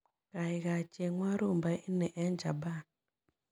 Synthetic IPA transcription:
ka˨i˨ɣa˨t͡ʃe˨ŋʷa˦ɾu˦˨mba˦ʔi˦nɛ˨ʔɛ˦n˦d͡ʒa˨ba˦˨n

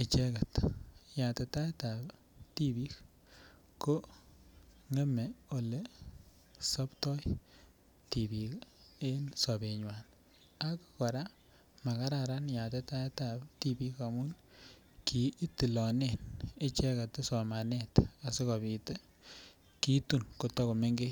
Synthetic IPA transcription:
ɪ˨t͡ʃɛ˦kɛ˨tja˨te˨ta˦e˦tab | ti˦bi˦k | ko˦ | ŋe˦mɛ˨o˨le˦ | sɔ˦ptɔ˦j | ti˨bi˨ke˦nsɔ˨be˨ɲwa˨n | a˦kkɔ˨ɾa˦ | ma˨ka˦ɾa˨ɾa˦nja˨te˦ta˦e˦ta˨bti˦bi˦ka˨mʊ˦n | kʰi˨˦ti˨lɔ˨ne˦˨ne˦t͡ʃɛ˦ka˨te˦sɔ˨ma˨ne˦ta˨se˦kɔ˨bi˨te˦ | ki˦tu˨nko˨tɔ˦ko˨me˦ŋɡe˦

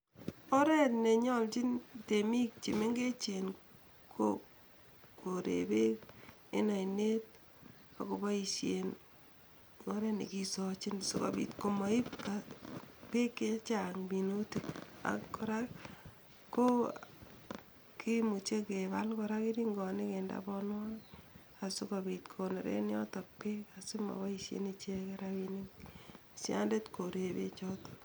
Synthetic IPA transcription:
o˦ɾɛ˦tne˨ɲɔ˦lt͡ʃi˦nte˨mi˦k̚t͡ʃi˨me˦ŋɡe˦t͡ʃe˨n | kʰo | ko˨ɾḛbe˦k | ḛ˦na˨inet̚ | ka˨ko˨ba˦i˨ʃe˨n | o˦ɾɛ˦nḛ˨kisɔ˨t͡ʃi˦nso˨ka̰˨bḭ˨tko˨mɔ˨i˦p̚ka | pe˦kːe˦t͡ʃa˨ŋmi˨nu˦ti˦a̰kkːo˨ɾa | ko | ki˦mu˨t͡ʃe˦ke˨balko˨ɾa˦ki˦ɾi˦ŋɡɔ˨ne˦ke˨nda̰bɔnwa˦ | a˨su˦kabitkʰone˨ɾḛ˦n˦ɔ˦tɔk̚pe˦kasu˦mɔ̰˨ba˦i˨sjḛnit͡ʃe˦ke˦ɾawiniŋ | sja̰nde˦tko˨ɾebḛ˦t͡ʃɔ˦tɔ̥

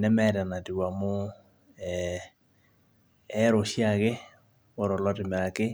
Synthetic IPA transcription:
nɛ˦mɛ˦ɾa˨na˨ti˨wa˨mo˦ | ɛ˦ | ɾo˨ɕja˨ɣe˦ | o˨ɾɔ˨lɔ˦te˨mɛ˨a˨ke˦

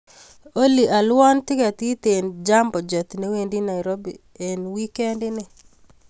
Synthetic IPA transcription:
o˦li˨ʔa˨lwɔ˦ntɪ˦ka˨t̪i˦t̪e˨nd͡ʒa˦mbɔ˨d͡ʒɔ˨t̪ne˦we˨ndi˦na˨ɪɾo˦bi˨ | e˨nwi˦kɛ˦ndɪ˦nɪ˨

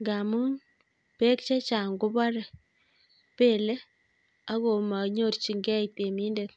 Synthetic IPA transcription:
ŋɡa˨mu˦ŋ | pe˦kt͡ʃɛ˦t͡ʃa˨ŋɡu˦ba˦ɾɛ˨ | pe˦˨lɛ˦ | a˦ko˨ma˨ɲo˦˨ɾt͡ʃi˨ŋɡɛ˦i˨te˨miː˦nde˨t̚

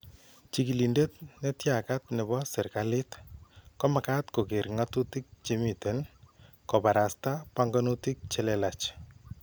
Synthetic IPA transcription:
t͡ʃiki˨li˨nde˦tne˦tja˨ka˦t̚nɛ˨bɔ˦sɪ˨ɾkalɪ˦tkɔ˦ma˨katko˨ke˨ɾŋatu˦ti˦k̚t͡ʃemi˨ten | kɔ˨baɾa˨stapaŋɡa˦nuti˦k̚t͡ʃɛlɛlat͡ʃ

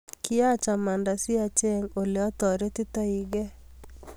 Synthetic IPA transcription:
kɪ˦a˦t͡ʃa˨ma˨nda˨sɪ˦a˨t͡ʃe˦ŋo˨lɪ˨ɔ˦tɔ˨ɾe˦tɪ˦ta˦i˨ɡɛ˦

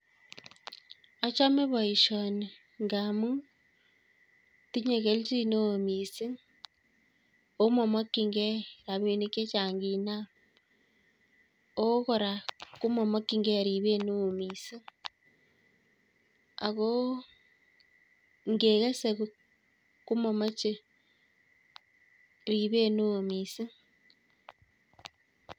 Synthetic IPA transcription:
a˦t͡ʃa˦me˦βo˨i˨ʃo˨ni˨ | ŋɡa˨mu˦ | ti˦ɲe˨ɣe˦lti˦no˦o˨mi˨si˦ | o˦mo˨mo˦ki˦ŋɡe˦ɾa˨βi˨ni˦ke˦t͡ʃa˨ŋɡi˨na˦ | o˦ɣo˨ɾa˨ku˦mo˨mo˦ki˦ŋɡe˦˨ɾi˨βe˦no˦˨mi˨si˦ | a̰˨ɣo˦ | ŋɡeː˨ɣe˦se˨ɣu˨˦ | ku˦mo˨ma˦t͡ʃe˦ | ɾi˨βe˦no˦˨mi˨si˦

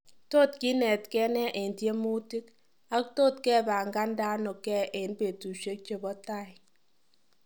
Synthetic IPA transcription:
to˦˨tki˦nɛ˨tkɛ˦nɛ˦ʔe˨ntje˦mu˦ti˦k | a˦kto˦˨tkɛ˦˨ba˨ŋɡa˦nda˦nɔ˨kɛ˦˨ʔe˨npe˨tu˨ʃe˦k̚t͡ʃe˨bɔ˦ta˦˨j

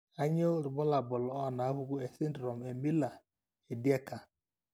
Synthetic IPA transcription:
a˦ɲe˦o˦ɾʊ˨bɔ˦la˨bʊ˨lɔ˨ɔ˦na˨˦ɦʊ˦ɡʷʊ˦e˨sɪ˦n˦dɾɔ˨m˨e˨mi˦la˨ | e˨di˦e˦ka˨

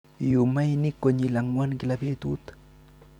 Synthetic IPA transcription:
ju˨ma˦jni˦kːo˨ɲi˨la˨ŋwa˦nɡi˨labe˦t̪u˦t̪ḁ

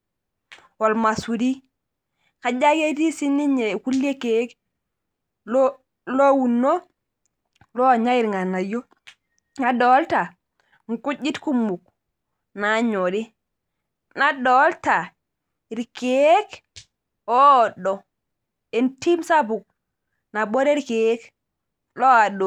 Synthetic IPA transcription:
wo˨lma˨su˨ɾi˦ | ka˨d͡ʒa˦ɡe˦di˦si˦nːi˦ɲe˨ku˦lje˦ke˨˦k | lo | lo˦wu˨nːo˦ | lo˦˨ɲa˦i˦˨ɾŋa˨na˨jo˦ | ŋa˨do˨˦lta˨ | ŋ˨ku˦d͡ʒi˦tku˦mːu˨k̚ | na˨˦ɲo˨ɾi˦ | na˦do˨˦lta˨ | i˨ɾke˦e˦k | o˦o˨do˨ | e˨nti˦msa˦bu˨k̚ | na˨bo˦ɾe˦ɾke˨˦k | lo˦a˨do˨

